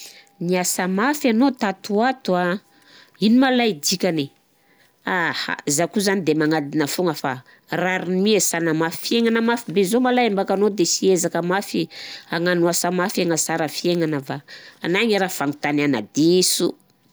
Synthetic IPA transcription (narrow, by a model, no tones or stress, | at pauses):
niasəmafanot̪at̪uat̪ua | inimalajd̪ikʲane | aha̰zakuzanid̪emaŋad̪inəfuŋəfa | raɾinimiesanamafi̥fieŋanəmafibezomalajambakanod̪esiezakəmafiaŋanuasəmafaŋəsaɾəfieŋanəvaːnaŋaɾafaŋut̪anana̰d̪isu